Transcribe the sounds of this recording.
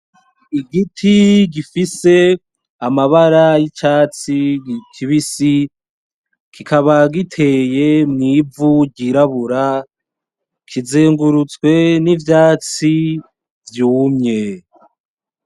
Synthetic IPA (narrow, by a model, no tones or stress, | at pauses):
iɡitʰiɡifise̞ | amaβaɾajit͡ʃaːt͡sikʰiβisi | kʰikʰaβaɡitʰe̞je̞mŋiːvuɟiɾaβuɾa | kʰizeːŋɡuɾut͡swe̞nivjaːt͡si | vjuːmɲe̞